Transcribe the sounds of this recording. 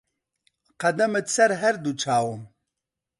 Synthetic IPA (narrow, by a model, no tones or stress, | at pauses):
qɐd̪ɐmɨt̪sɐɾɦɛɾd̪ut͡ʃʰaːwum